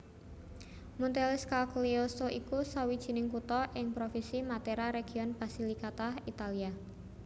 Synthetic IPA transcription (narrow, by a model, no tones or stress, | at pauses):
munt̪elɪskalkliosoʔikusawid̥ʒ̥i̤nɪŋkut̪ɔʔɪŋpɾofinsimat̪eɾaɾeɡ̥i̤ɔnb̥asilikat̪ahit̪alia